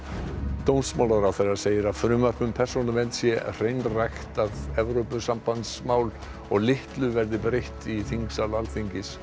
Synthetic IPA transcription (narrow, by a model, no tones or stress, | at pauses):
t̪ownsmaːwlaɾawθɛrːaɾseːjɪɾaðfɾʏːmar̥pʏmpʰɛr̥sonamɛnt̪sjɛr̥ejnrajxt̪aðɛvɾowpʏsampant̪smaːwl | ɔɣlɪht̪lʏvɛɾðɪbɾejht̪iθiŋksalalθiɲcɪs